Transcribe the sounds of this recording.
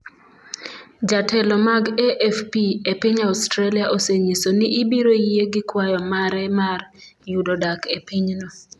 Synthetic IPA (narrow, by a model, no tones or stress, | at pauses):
d͡ʒatʰɛlɔmaɡɛʔɛfpiepiɲaʊstɾaliaʔoseɲisoniːbiɾojeɡɪkwajɔmaɾɛmarjudodakepiɲnɔ